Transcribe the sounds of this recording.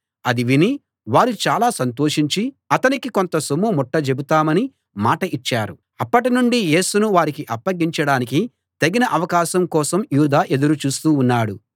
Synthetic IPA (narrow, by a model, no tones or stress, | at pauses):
ɐd̪iʋini | ʋaːɾut͡ʃaːlaːsɐnt̪o̞ːʂiɲt͡ʃi | ɐt̪ɐnikiko̞nt̪ɐsumumɔʈːɐt͡ʃe̞but̪aːmɐni | maːʈɐʔit͡ʃːaːɾu | ɐpːɐʈinuɳɖije̞ːsunuʋaːɾikiʔɐpːɐɡːiɲt͡ʃɐɽaːniki | t̪ɐɡinɐʔɐʋɐkaːʃɐmkɔːsɐmjuːd̪aːʔe̞d̪uɾut͡ʃuːst̪uːnːaːɽu